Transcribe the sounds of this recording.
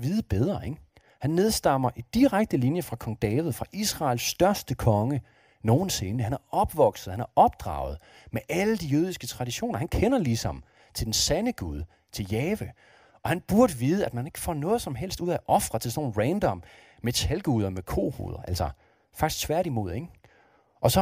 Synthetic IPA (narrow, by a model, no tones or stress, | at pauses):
ʋiːðˠəb̥eð̞ˠʁɐeɡ̥ | hænːe̝ð̞ˠsd̥ɑ̈m̰ɐʔid̥iʁaɡ̥̚d̥əlinjəfʁɑ̈kʰɒ̽ŋd̥ɛːʋð̞̩ˠfʁɑ̈ʔisʁɑ̈ːlsd̥ɶɐsd̥əkʰɒ̽ŋə | no̝ːn̩se̝nəhænæɐɒ̽b̥ʋɒ̽ɡ̥sð̩ˠhænæɐɒ̽b̥̚d̥ʁɑ̰̈ʊð̞̩ˠ | meʔæləd̥ijøːð̞ˠisɡ̥ət͡sʰʁɑ̈diɕo̝̰ːnɐhænkʰenɐlisɒ̽m | t͡sʰe̝ld̥ensænəɡ̥uð̞ˠ | t͡sʰe̝ljɛːʋə | ʔɒ̽hænb̥uɐɾ̥əʋiːð̞̩ˠəæd̥mæne̝ɡ̥əfɒ̰ːnɔ̽ːð̞̩ˠsɒ̽mɦel̰sd̥uð̰ˠæʔɒ̽fʁɐt͡sʰe̝sno̝̰ːn̩ʁɛnd̥ɒ̽m | met͡sʰælɡ̥uːð̞ˠɐmekʰo̝̰ːhṵːðˠɐʔæl̰sɐ | fɑ̈ɡ̥isɡ̥t͡sʰʋæɐ̰ɾimo̝ð̰ˠeŋ | ʔɒ̽sɒ̽